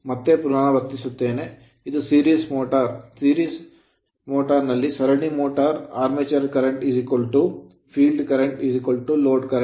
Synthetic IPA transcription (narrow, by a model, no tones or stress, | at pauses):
mɐt̪ːepɾunaːɳɐʋɐɾt̪isut̪ːeːne | id̪usiːɾiːsmoːʈɐɾsiːɾiːs | moːʈɐɾnɐlːisɐɾɐɳimoːʈɐɾaːɾmeːt͡ʃɐɾkɐɾeɳʈizikʋɐlʈu | pʰiːlɖkɐɾeɳʈizikʋɐlʈuloːɖkɐɾ